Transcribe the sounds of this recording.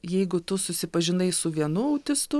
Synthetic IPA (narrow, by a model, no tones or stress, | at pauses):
jɛɪɡʊt̪ʊsʊsʲɪpɐʒʲɪnɐɪsʊʋʲiɛnʊɐʊt̪ʲɪst̪ʊ